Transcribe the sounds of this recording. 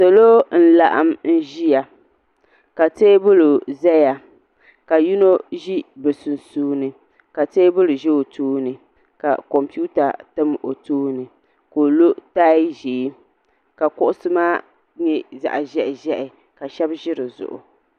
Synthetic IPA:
so˨loː˦n̩˦la˨ʔa˦mn̩˦ʒi˦ja˨ | ka˨teː˦bʊ˦lʊ˨zɛ˦ja˨ | ka˨ju˦no˦ʒi˦bɨ˨su˨nsuː˦nɨ˨ | ka˨teː˦bʊ˦lʊ˨ʒɛ˦o˨tʰuː˦nɨ˨ | ka̰˨kɔ˨mpu˦ta˨tɨ˦mo˨tuː˦nɨ˨ | ko˨lo˦ta˦ʒeː˨˦ | ka˨kʊ˦ʔʊ˦sɨ˦maː˦ | ɲɛ˦za̰˨ʔʒɛ˦ʔɪ˨ʒɛ˦ʔɪ˨ | ka˨ʃɛ˦bʒɪ˦ɾɨ˨zʊ̰˨ʔʊ̰˨

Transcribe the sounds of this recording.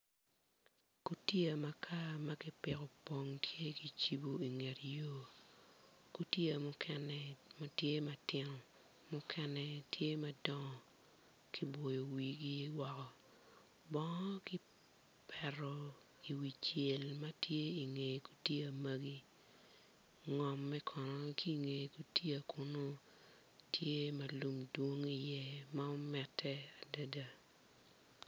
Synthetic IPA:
ku˨ti˦a˨ma˨kʰa˦ma˦kɪ˦pɪ˨kɔ˨po˦ŋtʰje˦ki˨t͡ʃi˦bo˨i˨ŋe˨tjo˦ | ku˨ti˦a˨mʊ˦kʰɛ˨nɛ˨ma˦tje˦ma˨tɪ˦nɔ˨ | mʊ˦kʰɛ˦nɛ˨tʰje˦ma˦dɔ˦ŋɔ˨ | kʰi˦bo˨jo˨wi˨ɡi˦wɔ˨kɔ˨ | bɔ˦ŋɔ˦ki˦ | pʰɛ˨ɾɔ˨ | i˨wi˨t͡ʃje˨lma˦tʰje˦i˨ŋe˨ku̥˨tje˦a˨ma˦ɡi˦ | ŋɔ˨mːɛ˦kʰɔ˨nɔ˦kʰi˦ŋe˨ku˨tji˦a˨ku˦no˦ | tʰje˦ma˨lu˨mdwo˦ŋi˦jɛ˦ma˦o˦mɛ˨tʰːɛ˦a˨da˨da˦

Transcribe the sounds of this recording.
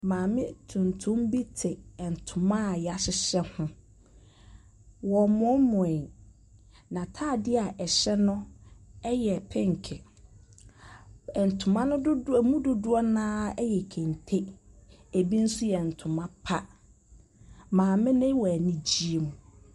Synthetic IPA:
mãː˨mɪ̃˦tʰũ˨ntʰʊ̃˦mbi˦tʰɪ˨n̩˨tʰʊ˨mã˦˨ja˨ɕɪ˦ɕɛ˦hʊ̃˦ | wɔ˨mɔ̃˦mɔ̃˨ɛ̃˨ | nã˨tʰaː˦˨dɪ˦a˨ʔɛ˨ɕɛ˦nʊ̃˦ɛ˦jɛ˨pʰɪ̃˦ŋ˨kʰɪ˨ | ɛ˨n̩˨tʰʊ˨mã˦nʊ̃˦dʊ˦˨mũ˦dʊ˦dʊ˦ɔ˦nãː˦ɛ˦jɛ˨kʰẽ˨n˨tʰe˦ | e˨bi˦n̩˦sʊ˦jɛ˨n̩˨tʰʊ̃˨mã˦pʰa˦ | mãː˨mɪ̃˦nɪ̃˦wɔ˨æ˨nĩ˦d͡ʑi˦e˦mũ˨

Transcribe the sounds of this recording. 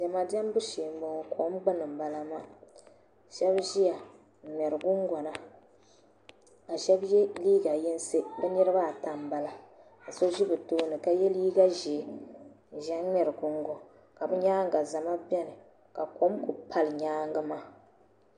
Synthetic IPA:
d͡ʒɛ˨ma˨dɛ˦mbʊ˦ʃeː˨m˦bo˨ŋ˨kʰo˨˦mɡ͡bɨ˦nɨ˨m˨ba˨la˦ma˦ | ʃɛ˦bʒi˦ja˨ | ŋ͡mɛ˨ɾɨ˨ɡʊ˦ŋɡɔ˨na˦ | a˨ʃɛ˦bjɛ˦liː˦ɡa˨ji˦n˦se˦bɨ˦ɲɛ˦ɾɨ˦ba˦˨ta˨m˨ba˨la˦ | a˨so˦ʒi˦bɨ˨toː˦nɨ˨ka˦jɛ˦liː˦ɡa˦ʒi˨˦ | ʒɛ˦ŋ͡mɛ˨ɾɨ˨ɡʊ˦ŋɡo˨ | ka˨bɨ˦ɲaː˦ŋ˦ɡa˨za˨ma˦bɛ˦nɨ˨ | ka˨ko˨˦mku˨pʰa˦lɲaː˦ŋ˦ɡɨ˦ma˦

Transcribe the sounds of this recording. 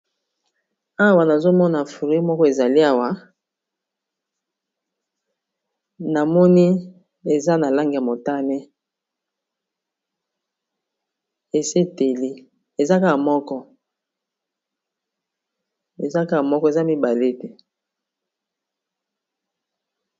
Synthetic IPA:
a˦˨wa˨na˨zo˦mɔ˦na˨fu˨ʁi˨˦i˦mɔ˦kɔ˦e˨za˨li˦a˨wa˨˦ | na˨mɔ˦ni˦ | e˨za˦na˨la˦ŋɡi˨ja˨mo˨ta˦nɛ˦ | e˨se˦te˨li˦ | e˨za˦ka˦ka˨mɔ˦kɔ˦ | e˨za˦ka˦ka˨mɔ˦kɔ˦˨e˨za˦mi˦ba˨le˦˨te˦

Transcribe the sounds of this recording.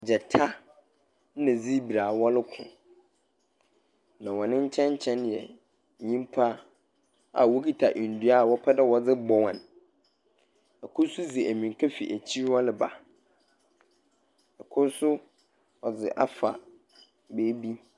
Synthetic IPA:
d͡ʑɛ˨tʰa˦ | nã˨d͡zi˦bi˨ɾaː˨wɔ˦lɪ˦kʰʊ̰̃˨ | nã˨wɔ˨nɪ̃˦ɲ̩˦t͡ɕʰɛ̃˦ɲ˦t͡ɕʰɛ̃˦njɛ˨ | ɲĩ˦mpʰa˦ | a̰˨wo˦ki˦tʰa˨ʔĩ˨n̩˨du˦a˦˨wɔ˦pʰɛ˦dɛ˦wɔ˨d͡zɪ˦bɔ˨wã˨n | ɛ˨kʰʊ˦sʊ˦d͡zi˨æ˨mĩ˨ŋ˨kʰa˦fi˨ʔæ˨t͡ɕʰi˦wɔ˦lɪ˨ba̰˨ | ɛ˨kʰʊ˦sʊ˦ | ɔ˨d͡zɪ̰˨ʔa̰˦fa̰˨ | beː˦bi˦

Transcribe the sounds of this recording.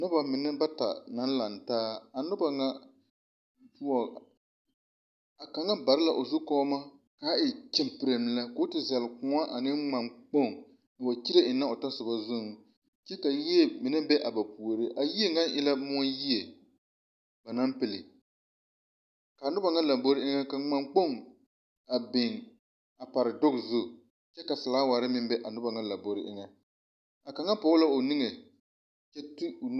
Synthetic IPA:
nʊ˦ba˨mɪ˨nɨ˦ba˦ta̰˨na˦n˦la˨ntaː˦a˨nʊ˦ba˨ŋa˦ | tu˦ɔ˨ | a˨ka˨˦ŋa˦ba˨ɾɪ˦la˨ʔo˨zʊ˦kɔː˦ma˦kaː˨˦ɪ˨t͡ʃɛ˦mpɨ˨ɾe˨m˨la˦ko˨˦tɪ˨za˨lkʊ˨˦a˦ʔa˨nɪ˦ŋ͡ma˨ŋk͡po˦˨ŋ | a˨wa˨ki˦ɾe˦ʔɪ˨na˦o˨ta˦sɨ˨ba˦zʊ˦ŋ˨ | t͡ʃɛ˦ka˨ji˦e˦˨mɪ˨˦nɨ˦bɛ˦ʔa˨ba˨pu˨o˨ɾɪ˦ʔa˨ji˦e˦ŋɡa˦nʔɪ˦la˦mʊ˦ɔ˦ji˦e˨ | ba˨na˦mpɪ˦lɪ˨ | ka˨nʊ˦ba˨ŋa˦la˨bo˦ɾɪ˦ʔɪ˦ŋa˦ka˨˦ŋ͡ma˨ŋk͡po˦˨ŋ | a˨bɪ˨ŋ | a˨pa˨ɾɪ˨dʊ˦kzʊ˦˨ | t͡ʃɛ˦ka˨sɪ˨laː˨˦wa˨ɾɪ˦mɪ˦mbɛ˦ʔa˨nʊ˦ba˨ŋa˦la˨bo˨ɾɪ˦ʔɪ˦ŋɛ˦ | a˨ka˨˦ŋa˦pʊ˨˦ʊ˦la˦o˨nɪ˦ŋe˨ | t͡ʃɛ˦tɪ˦o˨

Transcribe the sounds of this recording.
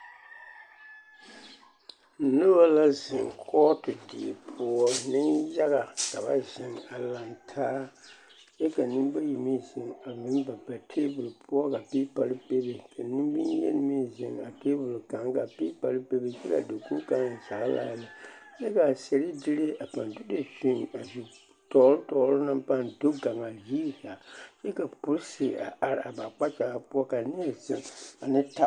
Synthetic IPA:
nɨ˦ba˦la˦zɪ˨ŋkʰɔ˦tɨ˨di˨pʰʊ˦ɔ˦nɨ˦nja˦ɣa˨ka˨ba˦ʒɪ˨ŋa˨la˨ntʰaː˦ | jɛ˦ka˨nɨ˦mba˦ji˨mi˦zɪ˨ŋa˨mɨ˨˦n˦ba˨ba˨tʰeː˦bʊ˨lpʰʊ˦ɔ˦ka˨pi˦pa˨lɨ˦pe˦be˨kʰa˨ni˦m˦bḭ˦jɛ̰˦n˦mi˦zɪ˨ŋa˨te˦bʊ˨lka˨˦ŋ˦ka˨pi˦pa˨lɨ˦pe˦be˦t͡ʃɛ˦la̰˨do˨ku˦ka˦ŋa˨t͡ʃa˨˦la̰ː˦lɨ˨ | t͡ʃɛ˦ka˨se˨ɾi˦dɪ˦le˦a˨pa˨ndu˦de˨sĩ˦n˨a˨zu˨ | tɔ˨˦ltɔ˨˦lna˦mpa˦ndo˦ɡa˨ŋa˨jiː˦ha˨t͡ʃɛ˦ka˨pʊ˦ɾsɪ˨a̰˨ʔa˨ɾa˨ba˨k͡pa˦t͡ʃa˨a˨pu˦ɔ˦ka˨ni˦ɛ˨zɪ˨ŋa˨nɨ˦ta˦

